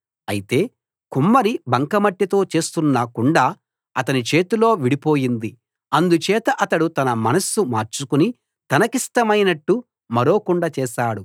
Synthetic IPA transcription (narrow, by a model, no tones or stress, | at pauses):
ɐ̰jit̪e̞ː | kumːɐɾibɐŋkɐmɐʈːjit̪o̞ːt͡ʃe̞ːst̪unːɐkuɳɖaː | ɐt̪ɐnit͡ʃe̞ːt̪ulo̞ːʋiɽipo̞ːjind̪i | ɐnd̪ut͡ʃɛːt̪ɐʔɐt̪ɐɽut̪ɐnɐmɐnɐsumaːɾt͡ʃukuni | t̪ɐnɐkiʂʈɐmɐjnɐʈːu | mɐɾo̞ːkuɳɖɐt͡ʃɛːʃaːɽu